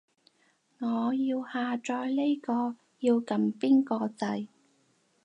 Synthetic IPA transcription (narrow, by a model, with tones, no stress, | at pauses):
ŋɔː˨˧jiː˧whaː˨˧t͡ʃɔː˧jle˥jkɔː˧ | jiː˧wkɐ˨˧mpiː˥nkɔː˧t͡sɐ˧j